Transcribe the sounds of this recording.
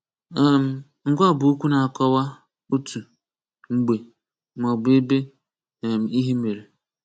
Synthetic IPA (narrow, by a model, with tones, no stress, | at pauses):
ɛ˦m̩˨ | ŋ̩˦ɡʷa˦˨bʊ˨u˦kʷu˦na˨a˨kɔ˦wa˦ | o˦tu˨ | ŋ͡m̩˨ɡ͡be˨ | m˨ɔ˨ɡ͡be˦be˦˨ | m̩˨i˦ɦi˦me˨ɾe˨